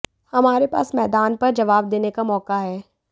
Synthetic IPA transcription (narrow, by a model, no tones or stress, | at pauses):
hɐmaːɾepa̰ːsmɛːd̪aːnpɐɾd͡ʒɐʋaːb̚d̪eːnekamɔːkaɦɛː